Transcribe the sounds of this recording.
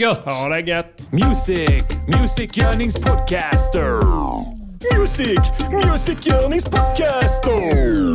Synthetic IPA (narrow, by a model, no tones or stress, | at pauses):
ɡɔthɾaɡɛt̪ | mjuzɪkmjʉszɪkjɜ˞nɪ̃ŋz̥pʰɔd̚kʰæstə˞ | mjuzɪkmjuzɪkjɜ˞nɪ̃ŋz̥pʰɔd̚kʰæstə˞